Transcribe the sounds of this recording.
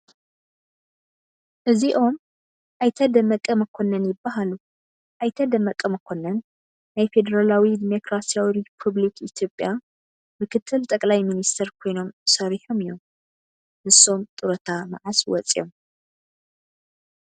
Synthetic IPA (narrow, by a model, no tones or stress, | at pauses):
ʔɨziʔo̞m | ʔajt̪ʰɐd̪ɐmɐkʼːɐmɐkʰo̞nɐnjɪbːaɦalu | ʔajt̪ʰɐd̪ɐmɐkʼɐmɨkʰo̞nɐnː | ajfe̞d̪ɐɾalawid̪imo̞kɾasijawiɾipʰuβlikʰit̪ʰjo̞pʼːja | mɨkʰɨt̪ʰːɨlt̪ʼɐkʼlajminist̪ʰɐɾkʰo̞jno̞msɐɾiħomijo̞m | hɨso̞mt̪ʼɨɾɐt̪ʰama̰ʕaswɔ̰t͡sʼḭjom